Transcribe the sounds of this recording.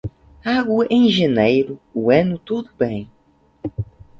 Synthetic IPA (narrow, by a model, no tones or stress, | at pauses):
aɡʊẽj̃ʒenejɾʊuɛ̃nʊt̪ud̪ʊbẽj̃